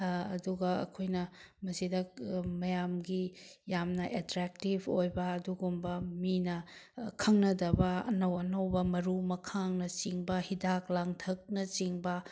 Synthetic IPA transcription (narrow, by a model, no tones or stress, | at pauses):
ɐduɡɐɐ̰kʰojnɐmɐsidɐmɐjamɡijamnɐʔetɾɛk̚tibʰʱojbɐːduɡumbɐminɐkʰɐŋnɐdɐbɐɐnɐwɐnɐwbɐmɐɾumɐkʰaŋnɐt͡ʃiŋbɐhidaklaŋtʰɐk̚nɐt͡ʃiŋbɐ